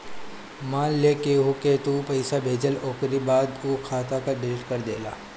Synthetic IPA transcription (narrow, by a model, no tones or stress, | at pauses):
maːlːeːkeɦoket̪upɐɪsabʱeːd͡ʒəloːkɾibaːd̪uːkʰaːt̪akaɖɪlɪʈkɐɾd̪ḛːla̰ː